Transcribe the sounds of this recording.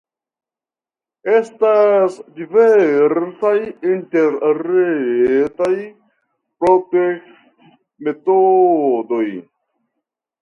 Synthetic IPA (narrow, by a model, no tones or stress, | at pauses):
e̞stasdiveɾsajinteɾɾetaj | pɾotek | t | me̞todo̞j